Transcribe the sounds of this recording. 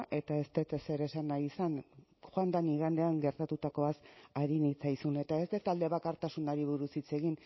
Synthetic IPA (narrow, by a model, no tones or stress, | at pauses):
ʔe̞t̪ae̞st̪et̪ese̞ɾe̞sanːajisan | xoand̪aniɣand̪e̞aŋɡe̞ɾt̪at̪ut̪ako̞asaɾinit͡sajsune̞t̪aest̪et̪ald̪e̞βakaɾt̪asunaɾiβ̞uɾusit͡se̞ɣin